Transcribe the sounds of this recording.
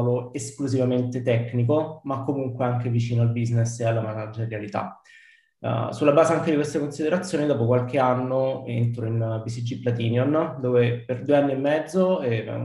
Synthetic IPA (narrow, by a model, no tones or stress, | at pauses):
voeskluzivament̪et̪ɛkːnik̬omakːomuŋkweaŋk̟evit͡ʃiːnoalbiznesealːamaad͡ʒeɾjalit̪a̰ | sulːabaːzeaŋk̟ed̪ikwest̪akonsid̪eɾat̪sːjoːnid̪ɔːpokwalk̟eanːoent̪ɾoinbisid͡ʒiplat̪̬iːnjond̪oːveperd̪ueanːiemːɛd̪zːoɛ̰